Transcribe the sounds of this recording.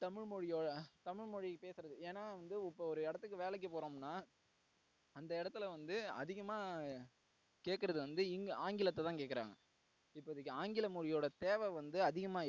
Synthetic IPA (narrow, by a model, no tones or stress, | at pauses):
t̪ɐmɪɻmɔɻɪjoːɽɐt̪ɐmɪɻmɔɻɪpeːsɯɾɐðɯeːnːaːʋɐnd̪ɯɔpːɐɔɾɯɪɽɐt̪ːɯk̬ːɯʋeːlɛk̬ːɯpoːɾoːmnːaː | ɐnd̪ɐɪɽɐt̪ːɪlɐʋɐnd̪ɯɐ̰ðɪɣɐmaː | keːʈkːɐɾɐðɯʋɐnd̪ɯɪŋɡɐaːŋɡɪlɐt̪ːɛt̪ãːŋkeːʈkːɪɾa̰ːŋɡɐ | ɪpːoːɪðɯkːɯaːŋɡɪlɐmɔɻɪjoːɽɐt̪eːʋɛʋɐnd̪ɯɐðɪɣɐmaː